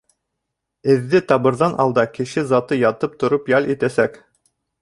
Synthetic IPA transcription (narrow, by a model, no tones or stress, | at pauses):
ɘ̆ðːɘt̪ɑbɤ̆ɾðɑnʔɑ̰lˠd̪ɑkɘ̆ʃɘzɑt̪ɤjɑt̪ɤp̚t̪ŏɾɤpjɑlʲit̪æsæk